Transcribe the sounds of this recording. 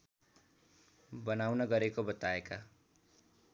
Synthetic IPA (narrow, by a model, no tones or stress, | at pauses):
bʌnawnʌɡʌɾekobʌt̪aeka